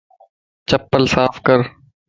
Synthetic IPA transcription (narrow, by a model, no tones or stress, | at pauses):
t͡ʃəpːəlsaːfkəɾ